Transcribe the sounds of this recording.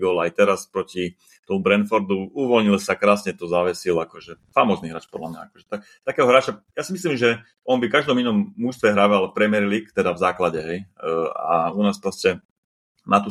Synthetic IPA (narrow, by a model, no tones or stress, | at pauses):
bɔlajt̪ɛɾaspɾɔci | t̪ɔmubɾɛnfɔɾd̪uuʋɔlɲilsakɾaːsɲɛt̪ɔzaʋɛsilakɔʒɛfamɔzniɦɾa̰ːt͡ʃpɔd̪lamɲa̰akɔʒɛt̪a | t̪akɛːɦɔɦɾaːt͡ʃajasimislimʒɛ | ɔnbikaʒd̪ɔminɔmːuʃst̪ʋɛɦɾaʋalfpɾɛmiɛɾliːkt̪ɛd̪avzaːklaɟɛɦɛja̰unaːspɾɔscɛ | nat̪u